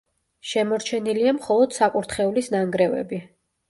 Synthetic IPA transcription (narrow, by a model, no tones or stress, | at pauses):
ʃɛmɔɾt͡ʃʰɛniliamχɔlˠɔd̪̥sakʼuɾt̪ʰχɛulisnaŋɡɾɛvɛ̰bi